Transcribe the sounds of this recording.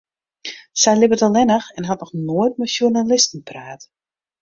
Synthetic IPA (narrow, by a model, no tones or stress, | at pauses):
sɛjlɪbətɔlˠɛnəxɛnɦɔtnɔxnoəjt̚mɛsjunalɪstn̩praːt